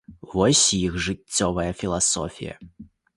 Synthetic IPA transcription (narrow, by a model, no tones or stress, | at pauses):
vɔsʲjixʐɨt͡sʲːɔvɐjɐfʲilˠasɔ̰fʲḭjɐ̰